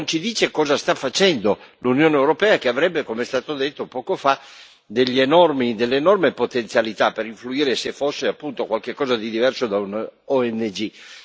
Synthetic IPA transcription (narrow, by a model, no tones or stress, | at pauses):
ont͡ʃid̪iːt͡ʃekɔːzast̪afːat͡ʃɛnd̪olunjoːneewɾopɛːakeavɾɛbːekomeɛst̪aːt̪od̪et̪ːopɔːkofa | d̪eʎːienɔrmid̪elːeːnɔrmepot̪ent̪sjalit̪apeɾiɱfluiːɾesefːosːeapːunt̪okwalk̟ekːɔːzad̪id̪ivɛrsod̪aunɔɛnːed͡ʒi